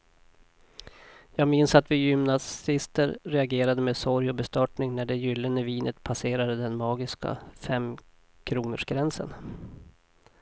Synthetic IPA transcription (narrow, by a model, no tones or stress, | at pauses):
jɑːɡmɪnsat̪vɪjʏmnasɪst̪əɾɾɛaɡeːɾad̪əmeːd̪sɔɾjɔbɛst̪œʈɳɪŋnæɖɛjʏlːənəviːnət̪pʰaseːɾad̪əd̪ɛnmɑːɡɪska̰fɛmː | kʰɾuːnə̰ʂɡɾɛnsə̰n